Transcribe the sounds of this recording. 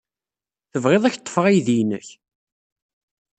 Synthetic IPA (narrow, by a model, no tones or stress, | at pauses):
θəvʁeðˤæçt̪ˤːə̥fʁijðinə̰ç